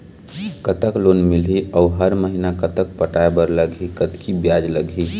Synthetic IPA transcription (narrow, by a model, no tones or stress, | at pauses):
kət̪əklonmiliʔɔuɦəɾməɦinakət̪ək̚pəʈaebəɾləɡʱikət̪kʰibjad͡ʒləɡʱi